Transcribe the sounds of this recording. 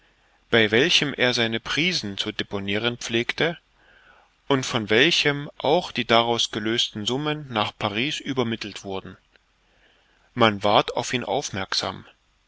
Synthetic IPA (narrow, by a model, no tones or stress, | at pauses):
b̥aɪvɛlçəmʔḛːɐzaɪnəpʁ̥iːzn̩t͡suːdeponiːʁ̞ənpp͡fleːktə | ʔʊntfɔnvɛlçəmʔaʊxd̥iːdaʁaʊsɡ̥əløːstn̩zʊmənːaːχpʰaʁiːsʔyːbɐmɪtl̩tv̥ʊɐdn̩ | manvaɐta̰ʊfʔiːnʔa̰ʊfmɛɐkz̥a̰ːm